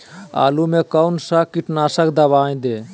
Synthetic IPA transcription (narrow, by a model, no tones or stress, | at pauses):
a̰ːlumẽːkəʊnsakɪʈnaːsəkd̪ɐʋaːĩd̪eː